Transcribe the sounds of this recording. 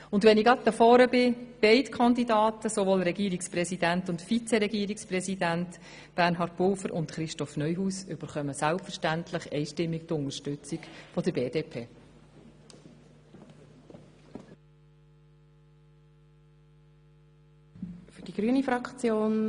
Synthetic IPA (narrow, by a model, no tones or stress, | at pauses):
ʊndʋɛnɪɡɑt̚d̪əfɔːɾəbɪb̥ɛɪtkʰɑnd̪idɑːtəsoʋoːlɾɛɡiːɾikspɾɛsidæntʊntfit͡seɾɛɡiːəɾikspɾɛsidænt | b̥æɾnɦɑːrt̚b̥ʊlfəɾʔʊ̰nt̪χɾɪʃtɔfnœjɦuːsʏb̥əɾχœməsælpfəɾʃtæntʰləχɛɪʃtɪmːik̚tʊnəɾʃtʉt͡sikfɔd̪əɾbeːdeːpʰeː | fyd̥iɡ̥ɾyənifɾɑkt͡sjoːn